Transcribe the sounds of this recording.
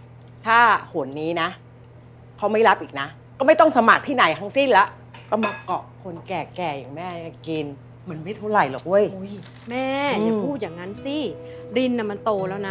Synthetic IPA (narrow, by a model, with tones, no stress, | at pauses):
t̪ʰaː˥˩hu˨˩˦ənːiː˦˥na˦˥ | kʰa˦˥wma˥˩jɾa˦˥p̚ʔiː˨˩k̚na˦˥ | kɔː˥˩ma˥˩jt̪ɔ˥˩ŋsa˧ma˨˩k̚t̪ʰiː˥˩na˨˩˦jt̪ʰa˦˥ŋsi˥˩nla˦˥ʔ | kɔ˥˩ma˧˩kɔ˨˩kʰːo˧nkɛː˨˩kɛː˨˩jaː˨˩ŋmɛː˥˩ja˨˩ŋki˧n | mɯ˧˩˦ə˦nma˥˩jt̪ʰu˥˩la˨˩jlɔː˨˩k̚ʔu˧˩əjo˦˥˩j | mɛː˥˩t͡ɕːa˨˧˩pʰuː˥˩t̪̚jaː˨˩ŋa˦˥nsi˧˥˩ɾi˧nːa˧˨˩ma˧nt̪oː˧lɛː˦˥wna˦˥